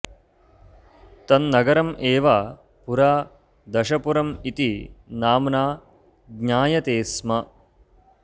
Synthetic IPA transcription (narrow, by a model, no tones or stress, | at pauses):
t̪ɐnːɐɡɐɾɐmeːʋaː | puɾaː | d̪ɐʃɐpuɾɐmit̪inaːmnaː | ɡɲaːjɐt̪eːsmɐ